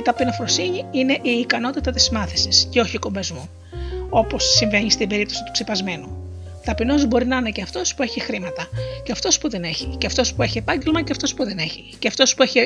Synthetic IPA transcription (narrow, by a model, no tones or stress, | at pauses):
it̪ɐpinofɾo̞siɲiine̞ʔiːkɐno̞t̪it̪ɐt̪ismɐθesisceo̞çiko̞mbezmu | o̞po̞sːiɱve̞ɲist̪ibe̞ɾip̚t̪o̞sit̪u̥ksepɐzme̞nu | ðɐpino̞zbo̞ɾinɐine̞ceɐft̪o̞spue̞çixɾimɐt̪ɐceɐft̪o̞spuðene̞çiceɐft̪o̞spue̞çiepɐɲɟe̞lmɐceɐft̪o̞spuðe̞ne̞çiceɐft̪o̞spue̞çi